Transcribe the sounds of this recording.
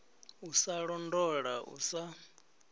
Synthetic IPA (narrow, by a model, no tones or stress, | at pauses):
usaɺɔndɔɺaʔṵsa